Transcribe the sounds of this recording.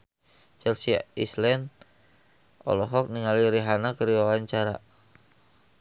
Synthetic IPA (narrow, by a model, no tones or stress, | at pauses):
t͡ʃɛlsia̰islɛn | ɔ̰lɔɦɔk̚niŋaliɾiɦanakəɾiwawaɲt͡ʃaɾa̰